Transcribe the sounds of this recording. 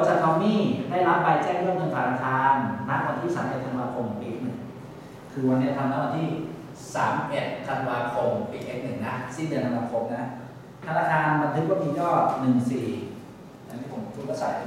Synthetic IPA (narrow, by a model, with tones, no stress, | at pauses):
o˧˦t͡ɕaː˨˩k̚ːʰɔː˧miː˥˩ha˥˩jlɔ˦˥ppa˧jt͡ɕɛː˥˩ŋɾɯ˥˩əmt̪ɤ˧ŋtʰaː˨˩naː˧kʰaː˧nmaː˦˥˩k̚wa˧nt̪ʰiː˥˩sa̰ː˩˦mʔe˨˩t̪ʰa˧nwaː˧kʰo˧mpiː˨˩nɯ˨˩ŋ | kʰɯː˧wa˧nːi˦˥ɐ˩t̪ʰa˧laː˦˥wa˧nt̪ʰiː˥˩ | saː˩˦mʔe˨˩t̪̚t̪ʰa˧nwaː˧kʰo˧mpiː˨˩k̚ʔe˦˥˩k̚nɯ˨˩ŋna˦˥si˥˩nd̪ɯ˧˩ət̪ʰa˧nwaː˧˩kʰo˧mna˦˥ | t̪ʰa˧naː˧˩kʰaː˧nba˧t̪ʰɯ˦˥k̚wa˥˩miː˧jɔː˥˩nɯ˨˩ŋsiː˨˩ | t͡ɕa˧˥˩nt̪ʰiː˥˩o˩˦m˩pʰuː˦˥˩aː˧˥˩sa̰˨˩